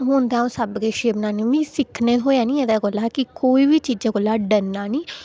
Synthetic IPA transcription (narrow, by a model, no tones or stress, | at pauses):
ɦoːnd̪aːõːsəbɡeːʃeːbənaːnẽmĩːsɪkʰneːtɦoːjaːnĩːeːd̪aːɡoːlaːkɪkoːiːʋiːt͡ʃiːd͡ʒaːɡoːlaːɖənːaːnĩː